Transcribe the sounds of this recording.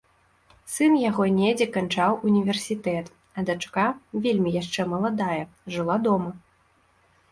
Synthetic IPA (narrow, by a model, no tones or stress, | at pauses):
sɨnjaɣɔnʲɛd͡zʲɛkant͡ʂawunʲivʲɛrsʲit̪ɛt̪ | ɐd̪at͡ʂkavʲelʲmʲijaʂt͡ʂɛmɐlˠad̪ajɛʐɨlˠad̪ɔmɐ